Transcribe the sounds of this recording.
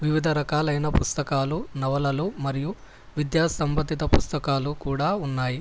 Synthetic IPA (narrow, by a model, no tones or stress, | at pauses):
ʋiʋid̪ʱɐɾɐkaːlɐjnɐpust̪ɐkaːlunɐʋɐlɐlumɐɾiju | ʋid̪jaːsɐmbɐt̪ːit̪ɐpust̪ɐkaːlukuːɽaːunːaːji